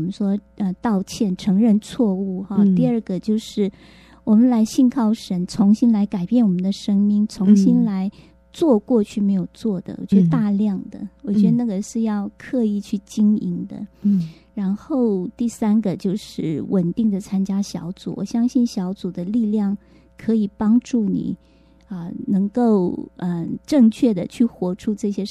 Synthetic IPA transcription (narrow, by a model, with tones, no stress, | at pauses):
mə˧˦nʂwɔ˥ | ə˧t̪ɑ˥˧ʊt͡ɕʰjɛ˥˩nʈ͡ʂʰɤ˧˥ŋɻə˥˧nt͡sʰwɔ˥˧u˥˩xɑ˧t̪i˥˧ə˞˥˧ɡə˩t͡ɕjo˥˧ʊʂɻ̩˥˩ | wɔ˨˩mə˦nla˧˥ɪɕi˥˧nkʰɑ˥˩ʊʂə˧˥nt͡sʰʊ˧˥ŋɕi˥nla˧˥ɪka˨˩ɪpjɛ˥˩nwɔ˨˩mə˦nd̪ə˧ʂə˥ŋmi˥ŋt͡sʰʊ˧˥ŋɕi˥nla˧˥ɪ | t͡swɔ˥˧kwɔ˥˧t͡ɕʰy˥˩me˧˥ɪjo˨˩ʊt͡swɔ˥˩d̪ə̰˩wɔ̰˨˩t͡ɕɥɛ˧˥ə˧t̪a˥˧ljɑ˥˩ŋd̪ə̰˩wɔ˨˩t͡ɕɥɛ˧˥d̪ə˧na˥˩ɡə˩ʂɻ̩˥˧jɑ˥˧ʊkʰɤ˥˧i˥˧t͡ɕʰy˥˩t͡ɕi˥ŋḭ˧˥ŋd̪ə̰˧ | ɻa˧˥nxo˥˩ʊt̪i˥˩sa˥nɡə˨˧t͡ɕjo˥˧ʊʂɻ̩˥˩wʔə˨˩nt̪i˥˩ŋd̪ə˩t͡sʰa˥nt͡ɕja˥ɕjɑ˧˥ʊt͡sṵ˨˩˦wɔ̰˨˩ɕjɑ˥ŋɕi˥˩nɕjɑ˧˥ʊt͡su˨˩d̪ə˦li˥˧ljɑ˥˩ŋ | kʰɤ˧˥i˨˩pɑ˥ŋʈ͡ʂu˥˩nḭ˨˩˦ | ə˧nɤ˧˥ŋko˥˩ʊə˧ʈ͡ʂɤ˥˧ŋt͡ɕʰɥɛ˥˩d̪ə˩t͡ɕʰy˥˩xwɔ˧˥ʈ͡ʂʰu˥ʈ͡ʂɤ˥˩ɕjɛ˥